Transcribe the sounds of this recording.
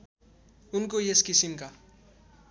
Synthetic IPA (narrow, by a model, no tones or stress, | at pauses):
unk̬ojeskisimka